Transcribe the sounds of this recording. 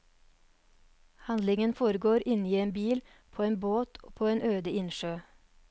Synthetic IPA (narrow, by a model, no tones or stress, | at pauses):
hɑnd̪lɪŋənfoːɾəɡoːɾʔɪniːeːnbiːl | pʰoːeːnboːt̪ʰo̰ːpʰoːeːnøːd̪əɪnʃøː